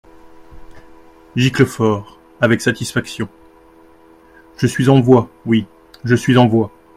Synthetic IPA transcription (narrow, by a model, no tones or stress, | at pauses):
ʒikləfɔʁ | avɛksat̪isfaksjɔ̃ | ʒ̥əsɥizɑ̃vwawi | ʒəsɥizɑ̃vwa